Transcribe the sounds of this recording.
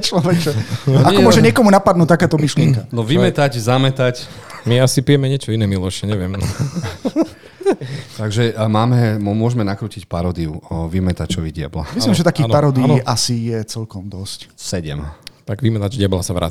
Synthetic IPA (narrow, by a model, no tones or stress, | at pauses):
t͡ʃlɔʋɛʒɛaɔmmɔʒɛɲɪɛkɔmunapad̪nuːc̚t̪akaːt̪ɔmiʃlɪɛŋkanɔʋimɛt̪aɟzamɛt̪ac | miasipijɛmɛɲɪɛt͡ʃɔinɛmilɔʃɛɲɛʋɪɛmn | t̪aɡʒɛmaːmɛmmʊɔʒmɛnakɾuːcicpaɾɔd̪iuʋimɛt̪at͡ʃɔʋiɟɪa̰bla̰imimʒɛt̪akiːpaɾɔd̪inʔasijɛt͡sɛlkɔmd̪ɔscsɛɟɛ̰mt̪aɡʋimɛt̪ad͡ʒɟɪablasaʋɾa̰